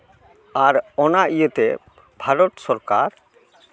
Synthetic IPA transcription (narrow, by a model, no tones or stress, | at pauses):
aɾɔnaʔijet̪e | bʱaɾɔt̪sɔɾkaɾ